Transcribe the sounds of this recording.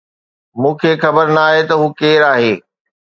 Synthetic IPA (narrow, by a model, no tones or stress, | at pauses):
mũːkʰexɐbəɾnɐaːɦet̪ɐɦuːkeːɾaːɦeː